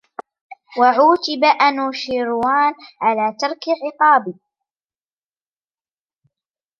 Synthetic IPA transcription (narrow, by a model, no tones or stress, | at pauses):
waʕuːt̪ɪbaʔanuːʃiːɾwaːnʕalaːt̪ɑɾˤkʕɪqɑːb